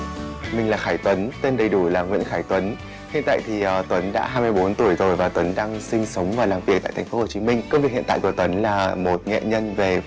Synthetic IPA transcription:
mï˨˩ŋ̟laː˨˩xaː˧˩jt̪wə˨˦nt̪e˧nɗə˨˩jɗu˧˩laː˨˩ŋwḭ˧˥ənxaː˧˩jt̪wə˨˦n | hḭ˧˨ənt̪a̰ː˧˨jt̪ʰi˨˩ʔəː˨˩t̪wə˨˦nɗa̰ː˧˥ɦaː˧jmɨ˧jɓo˨˦nt̪u˧˩əjzo˨˩jvaː˨˩t̪wə˨˦nɗaː˧ŋsï˧ŋ̟sə˨˦wŋ͡mvaː˨˩wlaː˨˩mvi˨˩ək̚ta̰ː˧˨t̪ʰŋ̟fo˨˦ho˨˩t͡ɕi˨˦mï˧ŋ̟kə˧wŋ͡mvi˩ək̚ḭ˧˨nt̪a̰ː˧˨jku˧˩ət̪wə˨˦nlaː˨˩mo˨˩t̚ŋɛ̰˧˨ɲə˧nve˨˩

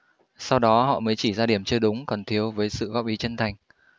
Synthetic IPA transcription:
sa˧wɗɔ˨˦ɦɔ̰˧˨məː˨˦jt͡ɕi˧˩zaː˧ɗi˧˩əmt͡ɕɨ˧ɗʊ˨˦ŋ͡mkɔ˨˩nt̪ʰi˨˦əwvəː˨˦jsɨ̰˧˨ɣɔ˦˥p̚ʔi˨˦t͡ɕə˧nt̪ʰa˨˩jŋ̟

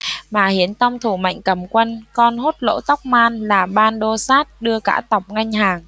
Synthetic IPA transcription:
maː˨˩hi˨˦ənt̪a˧wŋ͡mt̪ʰu˧˩ma̰˧˨jŋ̟kə˨˧˩mkwə˧nkɔ˧nɦo˦˥t̚lo̰˧˥t̪a˦˥wk͡p̚maː˧nlaː˨˩ɓaː˧nɗo˧saː˦˥t̚ɗɨ˧əka̰ː˧˥t̪a˨˩wk͡p̚ŋa˧jŋ̟haː˨˩ŋ

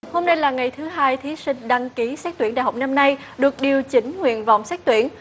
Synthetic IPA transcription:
ho˧mna˧jlaː˨˩ŋa˨˩jt̪ʰɨ˨˦ɦaː˧jt̪ʰi˨˦sï˧ŋ̟ɗa˧ŋki˨˦sɛ˦˥t̪wi˧˩nɗa̰ː˧˨˩ɦa˨˩wk͡p̚na˧mna˧j | ɗɨ˨˩ək̚ɗi˨˩əwt͡ɕï˨˦ŋ̟ŋwḭ˧˨ənva̰˨wŋ͡msɛ˦˥t̪wi˧˩˨ən

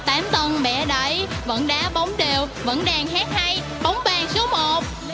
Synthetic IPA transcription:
t̪aː˨˦mt̪ə˧nɓɛ̰˧˩ɗə˧˩˦jvə̰˧˥nɗaː˨˥ɓə˨˦wŋ͡mɗe˨˩wvə̰˧˥nɗaː˧˩ŋhaː˦˥k̚ha˧j | ɓa˨˦wŋ͡mɓaː˨˩ŋso˨˦mo˨˩t̚

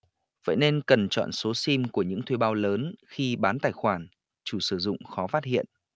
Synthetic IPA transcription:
və̰ː˧˨jne˧nkə˨˩nt͡ɕɔ̰˧˨nso˨˦si˧mku˧˩əɲɨ̰˧˥ŋt̪ʰwe˧˩ɓaː˨˧wləː˨˦nxi˧ɓaː˨˦nt̪aː˨˩jxwaː˧˩n | t͡ɕu˧˩sɨ˧˩zʊ̰˧˨ŋ͡mxɔ˨˦faː˦˥t̚ɦḭ˧˨ənʔ

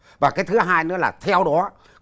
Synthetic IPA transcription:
vaː˨˩kaː˨˦jt̪ʰɨ˨˦ɦaː˧jnɨ˨˦əlaː˨˩t̪ʰɛ˧wɗɔ˨˦

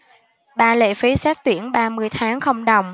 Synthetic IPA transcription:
ɓaː˧lḛ˧˨fi˨˦sɛː˦˥k̚t̪wi˧˩ənɓaː˧mɨ˧əjt̪ʰaː˨˦ŋxə˧wŋ͡mɗə˨˩wŋ͡m

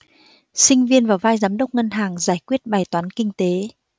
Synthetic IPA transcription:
sï˧ŋ̟vi˧ənvaː˨˩wvaː˧jzaː˨˦mɗə˦˥wk͡p̚ŋə˧nɦaː˨˩ŋzaː˧˩jkwi˦˥ət̚ɓaː˨˩jt̪waː˨˦nkï˧ŋ̟t̪e˨˦

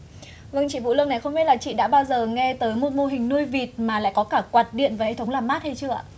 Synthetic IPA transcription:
və˧ŋt͡ɕḭ˧˨vṵ˧˨lɨ̰˧əŋna˨˩jxə˧wŋ͡mfe˦˥tlaː˨˩t͡ɕḭ˧˨ɗa̰ː˧˥ɓaː˧wzəː˨˩ŋɛ˧t̪əː˨˦jmo˨˧˩t̚mo˧˩ɦï˨˩ŋ̟nu˧jvi˨˩t̚maː˨˩la̰ː˧˨jkɔ˨˦kaː˧˩kwaː˨˩t̚ɗḭ˧˨ənvaː˨˩he˧˩t̪ʰə˨˦wŋ͡mlaː˨˩mːaː˦˥t̚hə˧jt͡ɕɨ˧˩əa̰˧˨

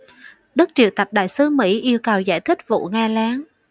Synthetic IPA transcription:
ɗɨ˦˥k̚t͡ɕḭ˧˨əwt̪ə˨˩p̚ɗa̰ː˧˨jsɨ˨˦mḭ˧˥ʔi˧əwkə˨˩wza̰ː˧˩jt̪ʰï˦˥k̟̚vṵ˧˨ŋaː˧laː˨˦ŋ

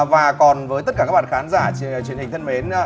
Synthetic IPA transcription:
vaː˨˩kɔ˨˩nvəː˨˦j̪ə˦˥t̚kaː˧˩aː˦˥ɓa̰ː˧˨˧xaː˨˦nzaː˧˩˨t͡ɕwi˨˩ənhï˨˩ŋ̟t̪ʰə˧nme˨˦n

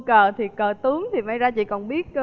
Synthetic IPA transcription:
kəː˨˩t̪ʰi˨˩kəː˨˩t̪ɨ˨˦əŋt̪ʰi˨˩ma˧jzaː˧t͡ɕḭ˧˨kɔ˨˩nɓi˦˥ət̚

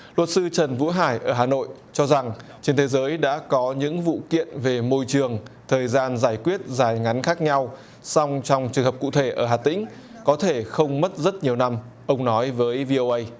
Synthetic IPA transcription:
lwə˨˩t̚sɨ˧t͡ɕə˨˩nvṵ˧˥ɦaː˧˩jʔəː˧˩ɦaː˨˩no̰˧˨j | t͡ɕɔ˧za˨˩ŋt͡ɕe˧nt̪ʰe˨˦zəː˨˦jɗa̰ː˧˥kɔ˨˦ɲɨ̰˧˥ŋvṵ˧˨kḭ˧˨ənve˨˩mo˧jt͡ɕɨ˨˩əŋt̪ʰəː˨˩jzaː˧nzaː˧˩jkwi˦˥ət̚zaː˨˧˩jŋa˨˦nxaː˦˥k̚ɲa˧w | sɔ˧wŋ͡mt͡ɕɔ˧wŋ͡mt͡ɕɨ˨˩əŋɦə˨˩p̚kṵ˧˨t̪ʰe˧˩ʔəː˧˩ɦaː˨˩t̪ï˧˥ŋ̟ | kɔ˨˦t̪ʰe˧˩xə˧wŋ͡mmə˦˥t̚zə˦˥t̚ɲi˨˩əwna˧m | ʔə˧wŋ͡mnɔ˨˦jvəː˨˦jvi˧ʔo˧ʔə˧j

